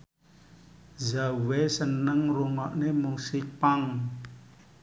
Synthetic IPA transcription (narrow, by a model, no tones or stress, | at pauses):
zawɛsənəŋruŋɔʔnemuŋsipaŋ